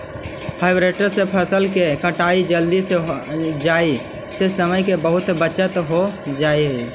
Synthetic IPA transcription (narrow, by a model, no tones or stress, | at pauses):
pʰaɪbɾeʈəɾsẽpʰəsəlkekəʈaid͡ʒəld̪ised͡ʒai | sesəməjkebəɦut̪bət͡ʃət̪ɦod͡ʒaiɦə